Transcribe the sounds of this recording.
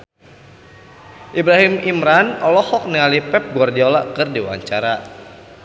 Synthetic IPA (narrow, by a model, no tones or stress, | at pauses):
ʔibɾaɦimimɾanɔlɔhɔk̚nialipɛp̚ɡwardiɔlaʔkɨrdiwa̰ɲt͡ʃaɾa